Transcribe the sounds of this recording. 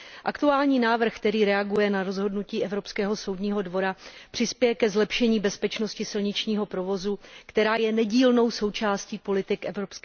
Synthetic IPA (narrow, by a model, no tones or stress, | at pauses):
ʔakt̪uaːlɲiːnaːvr̩xkt̪ɛɾiːɾɛaɡujɛnaɾo̞zɦo̞dnuciːʔɛvɾo̞pskɛːɦo̞sowdɲiːɦo̞dvo̞ɾapr̝̥ɪspjɛjɛkɛzlɛpʃɛɲiːbɛspɛt͡ʃno̞scɪsɪlɲɪt͡ʃɲiːɦo̞pɾo̞vo̞zukt̪ɛɾaːjɛnɛɟiːlno̞wso̞wt͡ʃaːsciːpo̞lɪt̪ɪkʔɛvɾo̞psk